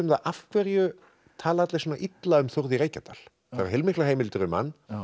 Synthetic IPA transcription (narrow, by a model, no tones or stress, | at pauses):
ʏmθaʔafkʰvɛɾjʏ | t̪ʰaːlaat̪lɪsɔːnaʔit̪laʏmθoɾðiɾeːjcat̪al̥ | θaɾḁɾhelmɪhklaɦejmɪlt̪ʏɾʏma̰nː